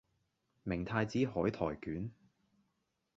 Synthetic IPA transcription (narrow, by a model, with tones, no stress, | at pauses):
mɪ˨˩ŋt̪ʰaː˧jt͡siː˨˥ɦɔː˨˥jt̪ʰɔː˨˩jkyː˨˥n